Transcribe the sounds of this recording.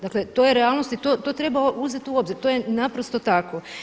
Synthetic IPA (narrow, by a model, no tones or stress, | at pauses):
d̪akle̞t̪o̞jeɾealˠno̞st̪it̪o̞t̪o̞t̪ɾe̞baoʔuzet̪iuo̞bziɾt̪o̞je̞napɾo̞st̪o̞t̪ako̞